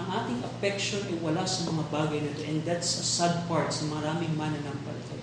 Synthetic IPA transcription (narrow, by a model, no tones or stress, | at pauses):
ɐŋʔaːt̪ɪŋʔɐpɛkʃonʔɐjwɐlasɐmɐŋabaːɡɐjnɪt̪oʔɛ̃nd̪at̪sɐsad̪̚paɹt̪sɐmɐɾaːmɪŋmanɐlɐŋpɐlt̪ɐj